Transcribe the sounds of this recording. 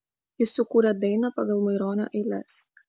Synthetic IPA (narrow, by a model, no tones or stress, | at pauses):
jɪsːʊkuːɾʲɛd̪ɐɪnɐpɑɡɐlˠmɐɪɾoːnʲo̰ːʔɛɪlʲɛs